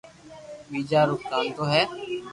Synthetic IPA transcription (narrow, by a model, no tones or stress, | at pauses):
biːd͡ʒaːɾʊk̚t̪aːnt̪oːɦɛː